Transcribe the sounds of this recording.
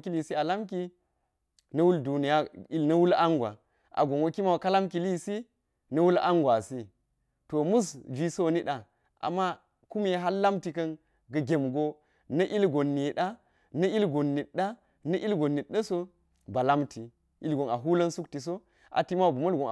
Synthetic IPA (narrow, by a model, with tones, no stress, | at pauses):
ki˦li˨si˦a˨la˦mk̬i˦ | nɐ˦wu˦ldu˨ni˨ja˦i˦lnɐ˦wu˦la˦ŋɡwa̰˨ | ʔa̰˨ɡo˨ŋwo˦ki˦ma˦wka˦la˦mki˨li˦si˦ | nɐ˦wu˦la̰˦ŋɡʷa˨si˦ | to˨mu˦sd͡ʒi˦so˦˨ni˦ɗa˨ | ʔa̰˨mːa˦ | ku˦me˦ɦa˦lːa˦mti˨kɐ˦n | ɡɐ˨ɡʲe˨mɡo˦ | nɐ˦ʔi˦lɡo˨nːi˨ɗa˦ | nɐ˦ʔi˦lɡo˨nːi˨tɗa˦ | nɐ˦ʔi˦lɡo˨nːi˨tɗɐ˦so˦ | ba˨la˦mti˨ | i˦lɡo˨na˨ɦu˦lɐ˦nsu˦kti˨s̬o˦ | ʔa̰˨ti˦ma˦wbu˨mɐ˦lɡo˨n˨